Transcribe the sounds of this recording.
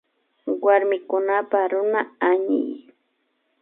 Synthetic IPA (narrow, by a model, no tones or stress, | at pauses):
waɾmɪkʊnapaɾʊnaaɲɪ̰j